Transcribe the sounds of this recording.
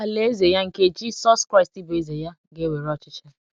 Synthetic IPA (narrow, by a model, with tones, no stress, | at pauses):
a˨le˦e˦ze˨ja˦ŋ̩˨ke˦d͡ʒi˦sɔ˦skɾa˦ɪ˨sti˦bo˨e˦ze˨ja˦ | ɡe˦we˨ɾɔ˦˨t͡ʃɪ˦t͡ʃɛ˦